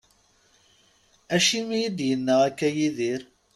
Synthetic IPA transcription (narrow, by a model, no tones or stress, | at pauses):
æʃimijəd̪jənːəʁækːæjiðiɾ